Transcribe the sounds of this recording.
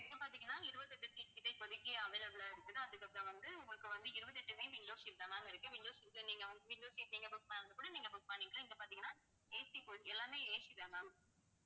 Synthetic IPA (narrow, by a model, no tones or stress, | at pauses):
ɛkːɯpaːɾt̪iŋɡɐnːaːɪɾɯbɐt̪ːɛʈːɯsɪkːɪt̪ːɐɪpɔðɪkːɪːʋɐɪlɐʋɯlaːɪɽɯt̪ːɯt̪ãɐðɯkːɐpːɐɾõʋɐnd̪ɯʊŋɡɐɾɐkːɯʋɐnd̪ɯɪɾɯbɐt̪ːɛʈːɯseʋɪŋloːsild̪aːnaːŋɐɪɾɯkːɯʋɪnloːsɪɾɯkːɯniːŋɡɐʋɐnd̪ɯʋɪlloːsiniːŋɡɐbʊkpaːnɐnd̪ɐkuːɽɐniːŋɡɐbʊk̚paːnːiːŋɡɐɭɐɪŋɡɐpaːɾt̪iŋɡɐnːaː | eːsikoɛlːaːmeːeːsiðaŋaːŋɐ